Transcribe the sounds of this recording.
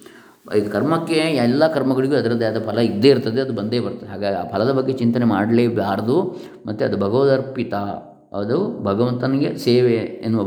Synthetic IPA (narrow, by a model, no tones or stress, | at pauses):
iːɡɐkɐɾmɐkːeɛlːakɐɾmɐɡɐɭiɡeɐd̪ɐɾɐd̪ːɐɐd̪ɐpʰɐlɐid̪ːeːiɾt̪ːɐd̪eɐd̪ubɐnd̪e̞ːbɐɾt̪ːɐdeɦaːɡaːɡiaːpʰɐlɐd̪ɐbɐɡːe̞t͡ʃint̪ɐnemaːɽleːʋjaːɾɐd̪u | mɐt̪ːeɐd̪ubʱɐɡɐʋɐd̪ɐɾpit̪ɐ | ɐd̪ubʱɐɡɐʋɐnt̪ɐniɡeseːʋeːnːuʋɐ